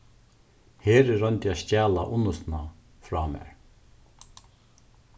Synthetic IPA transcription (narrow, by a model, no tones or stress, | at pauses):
heːɾɪɾœnt̪jascaːlaʔʊnːʊst̪na | fɾaːmɛ̰ːɹ